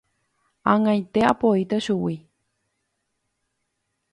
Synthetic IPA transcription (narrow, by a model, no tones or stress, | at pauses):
ãŋãjt̪eapoit̪aʃuwi